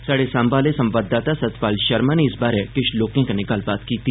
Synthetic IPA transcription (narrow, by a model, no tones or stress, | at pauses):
saɽesãːmbaːlesɐ̃mʋaːd̪aːt̪asɐt̪paːlʃɐɾmaneɪsbaːɾekɪʃloːkẽkanɪɡɐlbaːt̪kiːt̪i